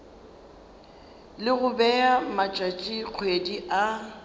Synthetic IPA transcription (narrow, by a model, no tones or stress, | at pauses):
lɪɣʊbɛamat͡ʃʼat͡ʃʼiq͡χʰwediʔa